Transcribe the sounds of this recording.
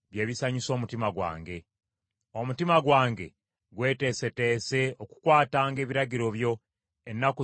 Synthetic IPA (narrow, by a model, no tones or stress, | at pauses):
βje̞ːβisaɲiso̞ːmutimaɡwa̰ːŋɡe̞ | omutimaɡwaːŋɡe̞̰ | ɡwe̞ːte̞se̞te̞ːse̞oku̥kwaːtaːŋɡe̞ːβiɾaɟiɾo̞βjo̞ | enːaku